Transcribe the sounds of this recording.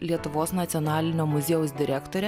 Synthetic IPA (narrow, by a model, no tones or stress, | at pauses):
lʲiɛt̪ʊʋoːsnɐt̪sʲɪɔːnɑːlʲɪnʲoːmʊzʲeːʊsd̪ʲɪɾʲæːkt̪oːɾʲɛ